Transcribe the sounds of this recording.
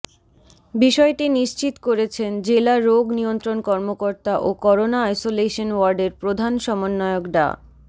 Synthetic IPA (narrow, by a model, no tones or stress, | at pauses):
biʃɔeʈiniʃt͡ɕit̪koɾet͡ɕʰend͡ʑelaɾoɡniont̪ɾonkɔɾmokoɾt̪aʔokɔɾonaajsoleʃonwaɾɖeɾpɾod̪ʱanʃɔmonːɔeokɖa̰